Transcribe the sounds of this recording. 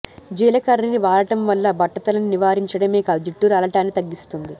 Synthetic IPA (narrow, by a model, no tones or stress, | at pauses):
d͡ʒiːlɐkɐɾiniʋaːɾɐʈɐmʋɐlːɐbɐʈːɐt̪ɐlɐniniʋaːɾiɲt͡ʃɐɽɐmeːkɐd͡ʒiʈːuɾɐlɐʈaːnːit̪ɐɡːist̪und̪i